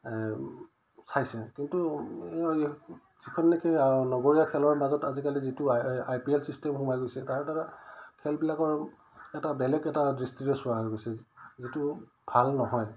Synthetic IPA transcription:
sajsɛkintu | zikʰɔnːɛkɛanɔɡoɹijakʰɛlɔɹmazɔtazikalizitʊajpiɛlsistɛmɦumajɡojsɛtaɹɛtaɹakʰɛlbilakɔɹ | ɛtabɛlɛkɛtadɹistiɹɔsʊaɦɔjɡojsɛzitu | b̥ʱalnɔɦɔj

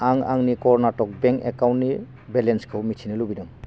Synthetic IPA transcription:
aŋa̰ŋnikɔɾnatɔk̚beŋkekawntni | belenskʰɯwmitʰinɯlubinɯŋ

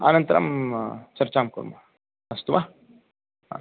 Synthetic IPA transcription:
a̰ːnɐnt̪ɐɾɐ̰mt͡ʃɐɾt͡ʃaːmkuɾmɐ | ɐst̪uʋa | a̰

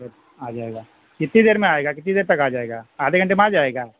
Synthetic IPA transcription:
aːd͡ʒaːeːɡaː | kɪt̪ːid̪eːɾmẽaːeːɡakɪt̪̬ːid̪eːɾt̪ɐkaːd͡ʒaːeːɡaːaːd̪eːkɐɳʈemaːd͡ʒaːeːɡaː

